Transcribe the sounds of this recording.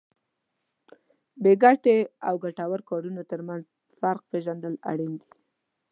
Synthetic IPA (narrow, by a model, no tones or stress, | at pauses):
beɡaʈeawɡaʈawaɾkɑɖunot̪əɾmanz | faɾq̚peʒand̪əla̰ɽind̪i̥